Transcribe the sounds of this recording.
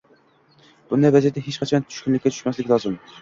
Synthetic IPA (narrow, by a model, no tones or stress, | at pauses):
b̥unɛvɛzijt̪ʰɛɦet͡ʃqʰɑt͡ʃʰɑnt͡ʃ̪ʰy̥ʃkʲynlɪkʲːɛt͡ʃʰy̥ʃmɛslɪkʲlˠɑzɨm